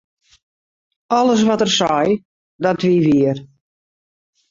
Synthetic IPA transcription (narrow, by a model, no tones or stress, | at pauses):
ɔləs̬ʋɔtərsɔj | dɔtʋiːʋiər